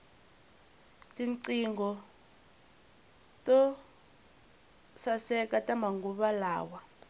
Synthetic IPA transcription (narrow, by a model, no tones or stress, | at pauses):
tiǀiŋɡɔ | tʼɔ | sasɛkatamaŋɡuɓala̰ːwa